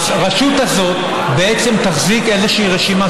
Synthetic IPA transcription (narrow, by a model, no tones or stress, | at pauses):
ʁaʃut̪azo̞t̪ | be̞e̞t͡se̞mt̪aχzike̞zeʃeiʁeʃima